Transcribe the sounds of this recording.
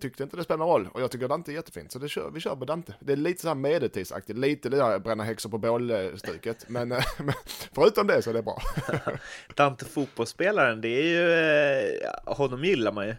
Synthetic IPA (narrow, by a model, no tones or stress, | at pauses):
t̪ʰʏk̚t̪əɪnt̪əd̪ɛspɛlanɾɔlːɔjɑːɡt̪ʏkːəɾd̪ant̪əɛɾjɛt̪ːəfḭːnsɔd̪ɛɕœ̰ːvɪɕœːɾpɔd̪ant̪əd̪ɛæɭiːt̪əsɔhæːɾmeːd̪ət̪ʰiːd̪sa̰kt̪ɪt̪liːt̪əlɪabɾɛnːaɦɛksʊpɔboːlst̪ʉːkət̪mɛnmɛnfœɾʉ̟ːt̪ɔmd̪ɛsɔɛæɖɛbɾɑ̰ː | d̪̥ant̪əfuːt̪̚bɔlspeːlaɾənd̪ɛæɾjɵ | hɔnːɔmjɪlːaɾmanjɵ